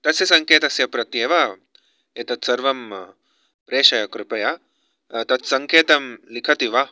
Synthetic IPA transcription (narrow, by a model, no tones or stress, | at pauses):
t̪ɐsjɐsɐŋkeːt̪ɐsjɐpɾɐt̪jeːʋɐ | et̪ɐt̪sɐɾʋɐm | pɾeːʃɐjɐkɾɪpɐjɐ | t̪ɐt̪sɐŋkʰeːt̪ɐmlikʰɐt̪iʋɐ